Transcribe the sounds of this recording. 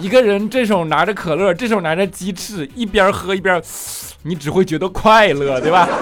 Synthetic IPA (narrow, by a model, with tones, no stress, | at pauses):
i˧˥ɡə˧ɻə˧˥nʈ͡ʂɤ˥˩ʂ̬ʊ˨˩ʊna˧˥ɾə˧kʰɤ˨˩lɤ˥˩ʈ͡ʂɤ˥˩ʂ̬o˨˩na˧˥ʈ͡ʂə˧t͡ɕi˧˥ʈ͡ʂʰɻ̩˥˩i˥˩pjɐ˧˥xɤ˧˥i˥˩pjɐ˧˥ | ni˧˥ʈ͡ʂɻ̩˨˩xwe˥˩ɪt͡ɕɥɛ˧˥d̪ə˧kʰwa˥˩ɪlɤ˥˩t̪we˥˩ɪba˩